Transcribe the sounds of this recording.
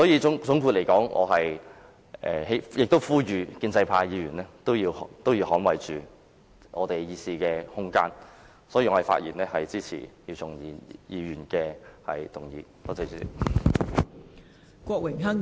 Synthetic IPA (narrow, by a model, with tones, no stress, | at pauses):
sɔː˨˥jiː˨˧ʊ˨˥ŋt͡sʊ˨˥ŋkʰuː˧t̚le˨˩jkɔː˨˥ŋʔɔ̰ː˨˧ɦɐ˨j | ʔɛ̰ː˨ɦe˨˥jɪ˨k̚t̪o˥wfuː˥jyː˨kiː˧nt͡sɐ˧jpʰaː˧jiː˨˧jyː˨˩nɛ˥t̪o˥wjiː˧wht̪o˥wjiː˧wɦɔː˨˥nwɐ˨jt͡ʃyː˨ | ʔɔː˨˧t̪e˨˩jjiː˨˧siː˧kɛː˧hʊ˥ŋka̰ː˥n | sɔː˨˥ji˧ŋɔː˨˧e˨˩fa̰ː˧t̚jiː˨˩nɛː˥hɐ˨jt͡siː˥t͡sʰḭː˨˩jiː˧wt͡sʊ˨ŋi˨˧jiː˨˧ɥyː˨˩nkɛː˧hɐ̰˨jt̪ʊ˨˩ŋjiː˨˧pɔ˥t͡sɐ˧t͡sː | kʷɔː˧k̚wɪ˨˩ŋɦɐ˥ŋ